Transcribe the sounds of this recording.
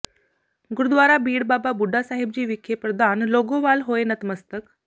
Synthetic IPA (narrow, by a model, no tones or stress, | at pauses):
ɡʊɾud̪ʋaːɾabiːɽbaːbabuɖʱːasaːɦɪb̚d͡ʑiːʋikʰːjepɾəd̪ʱaːnloːɡoʋaːlɦoːenət̪məst̪ək